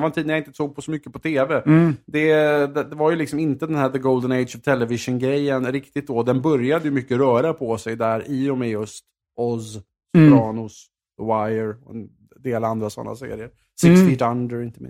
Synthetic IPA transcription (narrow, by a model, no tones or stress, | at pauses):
vant̪iːd̪jaɪnt̪ə̥soːɡ̚pʰɔsɔmʏkːəpɔt̪ʰeːvɛd̪ɛd̪ɛd̪ɛvaɾjɵlɪksɔmɪnt̪əd̪ɛnhæːd̪əɡoʊld̪ənɛd̪sɔvt̪ʰɛlːɛvɪʂənɡɾɛjːənɾɪkt̪ɪt̪̚d̪oːd̪ɛnbœɾjad̪əjɵmʏkːəɾœːɾapʰɔsɛjd̪æɾʔɪɔmɛjɵst̪ | ɔs | pɾɑːnʊs | əwajəɾɔɛ̰n | d̪eːland̪ɾasɔ̰nːa̰sḛːɾɪəɾ | sɪkst̪ɪd̪and̪əɾɪnt̪əmɪ̰